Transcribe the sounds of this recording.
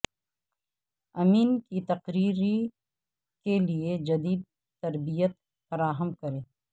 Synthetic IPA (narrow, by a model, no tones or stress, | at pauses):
ɐmiːnkit̪ɐqɾiːɾi | kelied͡ʒɐd̪iːd̪̚ | t̪ɐɾbijət̪̚ | fɐɾaːɦəmkɐɾẽː